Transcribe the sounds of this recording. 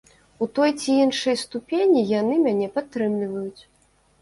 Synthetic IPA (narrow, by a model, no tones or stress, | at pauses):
ut̪ɔjt͡sʲiinʂɐjst̪upʲenʲijan̪ɨmʲanʲɛpat̪ːɾɨmlʲivɐjut͡sʲ